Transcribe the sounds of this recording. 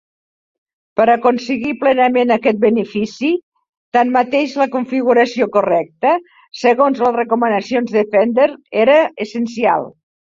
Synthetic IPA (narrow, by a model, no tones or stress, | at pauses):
pəɾəkunsəɣiplɛnəmenəkɛt̪̚bənəfisi | t̪anmət̪eʒləkuɱfiɣuɾəsiokurɛk̚t̪ə | səɣonzlərəkumənəsionzðəfɛnd̪əɾeɾəəsənsia̰lˠ